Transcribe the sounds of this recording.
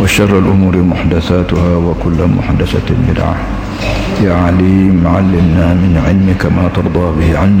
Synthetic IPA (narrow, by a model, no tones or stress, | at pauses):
waʃɑrˤːalʔʊmuːɾmʊħd̪aθaːt̪ʊhaːwakʊlːamʊ̰ħd̪aθa̰mɪ̰lʕa̰ | jaʕliːmʕalːɪmnaːmɪnʕɪlmɪkamaːt̪ɑɾˤd̪ˤɑːbɪhʕanː